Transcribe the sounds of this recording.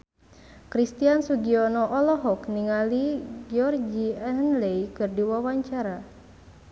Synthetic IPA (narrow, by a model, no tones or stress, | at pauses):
kɾist̪iansuɡiɔnɔʔɔlɔɦɔkniŋaliɡiɔrd͡ʒiɛɦənlejkɨrdiwawaɲt͡ʃaɾa